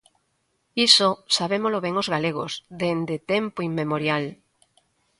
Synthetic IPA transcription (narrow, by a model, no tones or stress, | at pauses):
isosaβemoloβeŋozɣaleɣo̰zðend̪et̪empoimːemoɾjal